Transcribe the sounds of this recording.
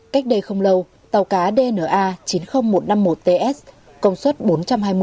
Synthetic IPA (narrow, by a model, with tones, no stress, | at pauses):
ka˦˥jk̚ɗə˧jxə˧wŋ͡mlə˧w | t̪a˨˩wkaː˨˦ɗe˧nəː˧˩ʔaː˧t͡ɕi˨˦nxə˧wŋ͡mmo˨˩t̚na˧mːo˨˩t̚t̪e˧ʔɛ˦˥s | kə˧wŋ͡mswə˦˥t̚ɓo˨˦nt͡ɕa˧mɦaː˧jmɨ˧